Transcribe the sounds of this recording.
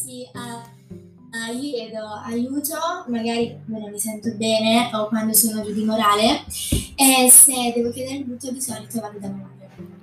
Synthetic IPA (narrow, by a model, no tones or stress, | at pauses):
sia | iojɛːd̪oajuːt̪omaɡaːɾikomːenomːisɛnt̪obɛːneʔokːwand̪osoːnod͡ʒud̪imoɾaːle | esed̪ɛːvok̟jɛːd̪eɾemit̪ut̪ːod̪isɔnnit̪ovaɾmid̪amoːɾe